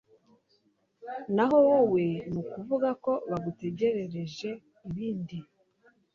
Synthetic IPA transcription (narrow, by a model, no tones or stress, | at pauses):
naɦo̞wowe̞nukuvuɡako̞βaɡute̞ɟe̞ɾe̞ɾe̞ʒe̞ | iβiːndi